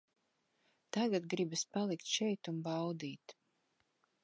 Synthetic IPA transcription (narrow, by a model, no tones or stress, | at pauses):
t̪aɡad̪ɡɾibaspalˠikt̪ʃɛjt̪umbawd̪iːt̪